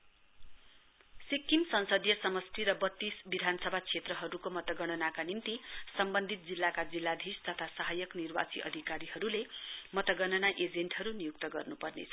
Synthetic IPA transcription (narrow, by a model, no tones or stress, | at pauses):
sikːimsʌnsʌd̪jʌsʌmʌst̪ʰiɾʌbʌt̪ːisbid̪ʱanʌsʌbʱat͡sʰet̪rʌɦʌɾukomʌt̪ʌɡʌɽʌnakanimt̪isʌmbʌnd̪ʱit̪̚d͡zilːakad͡zilːad̪ʱist̪ʌt̪ʰasaɦajʌknirba̰t͡siʔʌ̰d̪ʱikaɾiɦʌɾulemʌt̪ʌɡʌnʌnaʔed͡zeɳʈhɦʌɾunijuk̚t̪ʌɡʌrnupʌrnḛt͡sʰʌ